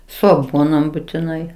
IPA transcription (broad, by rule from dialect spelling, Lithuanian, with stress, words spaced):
ˈsʊ ɐˈɡuɔnoːm bʊtʲɪˈnɐɪ